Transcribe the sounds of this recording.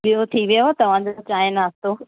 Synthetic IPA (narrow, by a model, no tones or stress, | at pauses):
bijot̪ʰiʋijoot̪ɐʋ̤ãd͡ʑot͡ɕaːenaːst̪oː